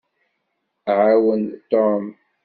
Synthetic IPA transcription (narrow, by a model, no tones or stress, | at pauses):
ʕawənt̪ɔm